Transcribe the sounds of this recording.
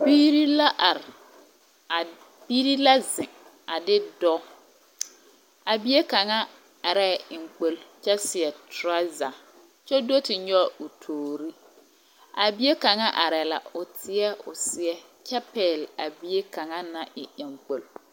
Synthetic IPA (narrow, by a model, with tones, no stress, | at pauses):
biː˦ɾi˦la˦ʔa˨ɾɪ˨ | a˨ | bi˦ɾi˦la˦zɪ˨ŋ | a˨dɪ˦dɔ˦ | a˨bi˦e˦ka˨ŋa˦ | a˨ɾɛ˦˨ɪ˨ŋ͡m̩˨k͡po˨lt͡ʃɛ˦sɪ˨ɛ˨tʊ˦ɾa˦za˨ | t͡ʃɛ˦do˦tɪ˨ɲɔ˦˨ʊ˨tʰoː˨ɾi˦ | a˨bi˦e˦ka˨ŋa˦ʔa˨ɾɛ˨la̰˨ʊ˨tʰɪ˦ɛ˦ʊ˨sɪ˨ɛ˦ | t͡ʃɛ˦pɛ˨la˨bi˦e˦ka˨ŋa˦na˨ʔɪ˨ɪ˨ŋ͡m̩˨k͡po˨l